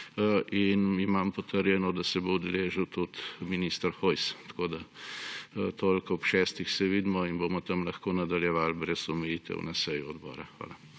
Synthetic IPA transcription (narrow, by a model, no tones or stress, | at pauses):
ʔinimampɔt̪əɾjɛnɔd̪asɛbowd̪ɛleːʒəwt̪ut̪minist̪ɾxojst̪koːd̪a | t̪olkɔɔpʃɛːst̪ixsɛʋid̪mɔinboːmɔt̪ɐmlɐxkoːnad̪aljɛʋaːlbɾɛsɔmɛjit̪ɛ̰wnasɛjuɔd̪bɔ̰ːɾa̰xʋa̰ːla